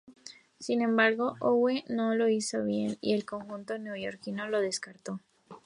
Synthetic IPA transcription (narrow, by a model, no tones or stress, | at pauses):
sinẽ̞mbaɾɣo̞ʔoweno̞lo̞iso̞βje̞̰nḭe̞lko̞ŋxunt̪o̞njoʝo̞ɾkino̞lo̞ð̞e̞skaɾt̪o̞